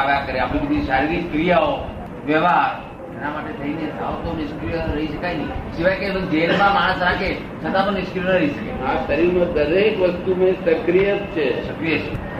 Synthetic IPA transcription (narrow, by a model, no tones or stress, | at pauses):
aʋakəɾeapɽ̃ibəd̪ʱiʃaɾiɾikkɾijao | ʋeʋaɾ | d͡ʒenamaʈet̪ʰəinesaʋot̪onɪʃkɾiəɾəɦiʃəkajnəiʃiʋajkebəɡd͡ʒenmãmaɽ̃əsɾake | t͡ʃʰət̪ãt̪onɪskɾionəɾəɦiʃəkḛasəɾiɾnod̪əɾekʋəst̪umẽsəkɾijət̪t͡ʃʰesəkɾijet͡ʃʰe